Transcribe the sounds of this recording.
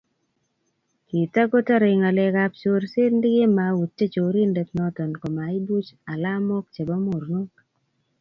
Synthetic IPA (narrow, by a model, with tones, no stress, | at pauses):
ki˨ta˦ɡo˦ta˦ɾi˨ŋa˨le˨ka˦pt͡ʃo˦ɾsɪ˦ɾndɪ˦ɡe˦ma˨u˨tːe˦t͡ʃo˨ɾi˦nde˨t̪nɔ˦tɔ˨nko˨ma˨i˦du˦t͡ʃa˨la˦mɔ˦kt͡ʃe˨bɔ˦mo˨ɾno˦k